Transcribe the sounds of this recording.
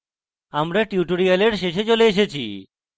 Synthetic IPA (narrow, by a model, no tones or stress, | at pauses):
amɾaʈjuʈoɾialeɾʃeʃet͡ɕoleeʃet͡ɕʰḭ